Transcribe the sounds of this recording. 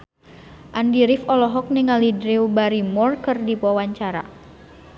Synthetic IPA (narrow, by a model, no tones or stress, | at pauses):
ʔandiɾifɔlɔɦɔk̚niŋalidɾiubaɾimɔrkɨrdipɔwaɲt͡ʃaɾa̰